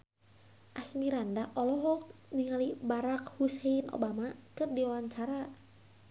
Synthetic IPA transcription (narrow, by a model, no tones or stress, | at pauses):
ʔasmiɾandaʔɔlɔɦɔk̚niŋalibaɾak̚huseinʔo̰bamakɨrdiawaɲt͡ʃaɾa